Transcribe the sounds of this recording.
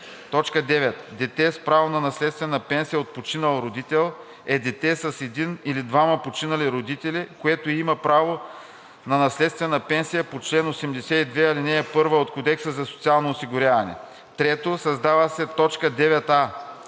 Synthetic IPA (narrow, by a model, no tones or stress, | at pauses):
t̪ɔt͡ʃkəd̪ɛvɛt̪d̪ɛt̪ɛspɾavonɐnɐslɛt̪st̪vɛnəpɛnsijəot̪̚pot͡ʃinɐlˠɾod̪it̪ɛlˠ | ɛd̪ɛt̪ɛsɐsɛd̪inilid̪vamɐpot͡ʃinɐliɾod̪it̪ɛlikoɛt̪oimɐpɾavo | nɐnɐslɛt̪st̪vɛnəpɛnsijəpot͡ʃlɛnosɛmd̪ɛsɛid̪vɛɐlinɛːpɤɾvəot̪kod̪ɛksəzɐso̥t̪sialˠnoːsiɡʊɾʲjavɐnɛ̰ | t̪ɾɛt̪osɐzd̪avəsɛt̪ɔt͡ʃkəd̪ɛvɛt̪a